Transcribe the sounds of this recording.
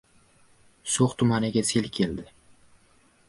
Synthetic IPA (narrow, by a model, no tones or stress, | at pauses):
soχt̪ʰʊmanɪɡʲaselkʲʰeld̪ɪ